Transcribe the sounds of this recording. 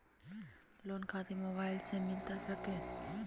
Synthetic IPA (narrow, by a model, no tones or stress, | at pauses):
loːnkʰat̪emobaːɪlsemɪlt̪asəke